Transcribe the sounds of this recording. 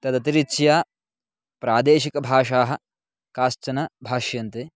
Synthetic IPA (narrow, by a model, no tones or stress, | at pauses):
t̪ɐd̪ɐt̪iɾit͡ʃjaː | pɾaːd̪eːʃikɐbʱaːʂaːɦɐ̆ | kaːst͡ʃɐnɐbʱaːʃjɐnt̪e